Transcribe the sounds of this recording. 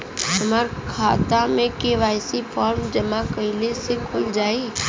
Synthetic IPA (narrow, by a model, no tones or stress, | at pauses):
ɦɐmaɾkʰaːt̪amẽkeːʋaːjsifʰɔːɾmd͡ʒəmakəɪlesekʰʊld͡ʒaːi